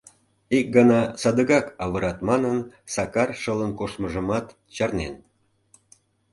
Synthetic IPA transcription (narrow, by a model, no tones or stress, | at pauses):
ik̚ɡənɑsɑd̪əɣɑkɑβəɾɑt̪mɑnənsɑkɑrʃələnkoʃməʒəmɑt̪ | t͡ɕɑrnḛn